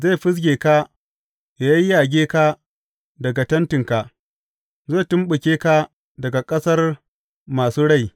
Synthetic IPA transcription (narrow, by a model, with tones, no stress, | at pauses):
za˦˨jɸɪ˦s̬ɡʲeː˨ka˦ | ja˨jɐ˦jjaː˨ɡʲeː˦ka˦ | dɐ˨ɡa˨tɐ˦ntɪ˨ŋka˨ | za˦˨tʊ˦mɓʊ˨kʲeː˦ka˦ | dɐ˨ɡa˨kʼɐ˦sɐ˦r | maː˨suː˦ɽa˦˨j